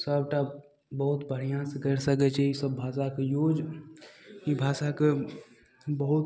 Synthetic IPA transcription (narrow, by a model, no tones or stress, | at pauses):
səb̚ʈa | bəɦut̪bʱəɾ̤ijãsekəɾsəkɛt͡ʃʰɛisəbːʱaːsakejoːd͡ʒ | ibʱaːsake | bəɦut̪